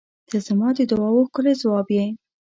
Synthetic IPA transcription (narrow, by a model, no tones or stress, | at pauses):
d̪̥əzamɑd̪əd̪ʊwɑwoxkʊlezawɑbje